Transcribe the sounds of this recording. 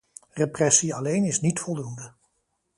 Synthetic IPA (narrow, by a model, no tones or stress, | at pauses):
reprɛsiɑlejnɪsnitfɔlˠdundə